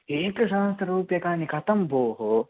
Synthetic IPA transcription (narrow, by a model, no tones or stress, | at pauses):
eːkɐʃaːst̪ɐɾuːpjɐkaːnikʰɐt̪ɐmboːɦo